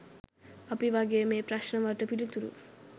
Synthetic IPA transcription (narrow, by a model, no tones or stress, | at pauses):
apiʋaɡejːmeːpɾaʃnəʋaʈəpilut̪uɾṵ